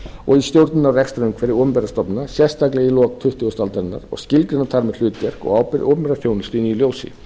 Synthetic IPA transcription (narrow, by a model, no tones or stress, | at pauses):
ɔɣist̪jowɾt̪nɪnawrɛkst̪ɾamkʰvɛːɾɪoːpʏmpɛɾast̪ɔpnɪnasjɛ̥st̪aklɛɣilɔːkt̪ʰʏht̪ʏɣʏst̪alt̪aɾɪnːa̰ɾ̥ɔ̰ɣscɪlt̪ɾɪnat̪ʰaɾmɛðl̥ʏːt̪jɛr̥kɔ̰ɣaːwpɪɾʔo̰wpʏmpɛɾaθjownʏst̪iːniljoːwsɪ̰